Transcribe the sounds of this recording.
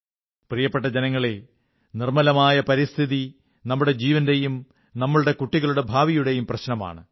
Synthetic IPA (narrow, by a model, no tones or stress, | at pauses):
prijɐpːe̞ʈ̬ːɐd͡ʑenɐŋːɐɭe | nirmɐlɐmaːjɐpɐɾist̪ʰiði | nɐmːuɽe̞d͡ʑiːʋɐnde̞jum | nɐmːɐɭuɽe̞kuʈːiɣɐɭuɽe̞bʱaːʋijuɽe̞jumprɐɕnɐma̰ːɳɨ